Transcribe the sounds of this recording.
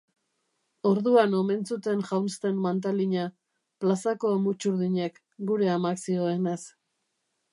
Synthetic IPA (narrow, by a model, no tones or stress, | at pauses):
o̞ɾðuano̞me̞nt͡sut̪e̞nʝawnst̪e̞nmant̪̬aliɲa | plasako̞emut͡ʃuɾðiɲe̞k | ɡuɾe̞amaksio̞enes